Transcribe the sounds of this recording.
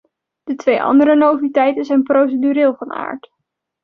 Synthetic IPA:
d̥ətʋejʔɑ̰ndəɾənowvitɛjtənzɛjnprows̬ədyɾɪːlˠvɑna̰ːɹt

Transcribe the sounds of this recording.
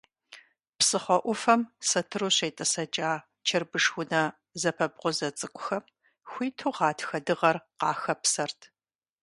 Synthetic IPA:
psɨχʷɔʔʷʊfɐmsɐtʰɨruɕejtʼɐsɐt͡ʃʼaː | t͡ʃʰɐrbɨʂxʷʊnɐ | zɐpʰɐbqʷʊzɐt͡sʼɨkʷʼʊxɐm | xʷiːtʰuʁɑːtʰxɐdɨʁɐrqɑːxɐpsɐrtʰ

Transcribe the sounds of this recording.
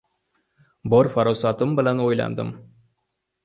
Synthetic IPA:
boɾfoɾɤwsɑt̪ɤmbɘ̆lænojlˠɑ̰nd̪ɤ̰m

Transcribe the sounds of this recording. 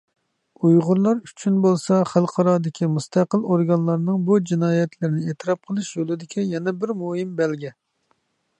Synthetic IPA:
ujʁʊɾlˠɑɾy̥t͡ʃʰynbolˠsɑχælˠqʰɑɾɑːd̪ɪkʲʰimust̪ʰæqəlˠoɾɡɑnlˠɑɾnɨŋbud͡ʒinɑːjɛt̪ʰlɪɾnɪet̪ʰɨɾɑp̚qʰəlˠɨʃjolˠɨd̪ɪkʲʰijɛnɛbɪɾmoɦimbɛlɡʲɛ

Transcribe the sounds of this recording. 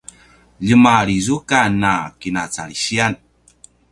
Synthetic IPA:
ʎəmaɾizukanːakinat͡sa̰ɭiɕian

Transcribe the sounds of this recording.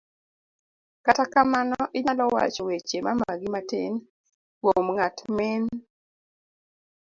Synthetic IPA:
katakamanɔʔɪɲalɔwa̰t͡ʃɔwet͡ʃemamaɡɪmatḛn | womŋatmen

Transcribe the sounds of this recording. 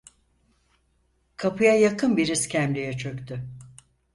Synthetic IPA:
kʰapʰɯjajakʰɯnbiɾiscʲʰæmlʲejɛt͡ʃʰø̞kʲt̪ʰy

